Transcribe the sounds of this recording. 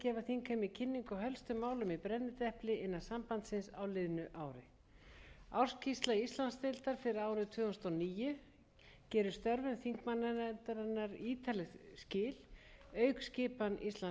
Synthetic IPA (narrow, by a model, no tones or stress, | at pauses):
cɛːvaθiŋkʰamɪcʰɪnːiŋkɔɦœlst̪ʏmaːwlʏmipɾɛnːɪt̪ɛhplɪʔɪnːasampant̪sɪnsa̰wlɪðnʏʔaːwɾɪ | awr̥scʰist̪laist̪lanst̪ɪlt̪aɾ̥fɪɾɪaːwɾʏðt̪ʰvʏːʏnst̪ɔniːjʏ | cɛːɾʏst̪œɾvɪnθiŋkmanːannt̪aɾanːaɾiːt̪ʰalɪscɪːl̥œːɥkscɪːpanʔist̪la